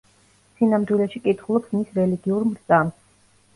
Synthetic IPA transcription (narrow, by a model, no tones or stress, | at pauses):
sinamd̪wilɛʃikʼit̪ʰχulˠɔpsmisɾɛliɡiuɾmɾd̪zʼam